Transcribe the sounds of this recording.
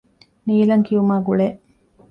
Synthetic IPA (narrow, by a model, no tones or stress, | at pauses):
niːlɐŋkiumaːɡuɭe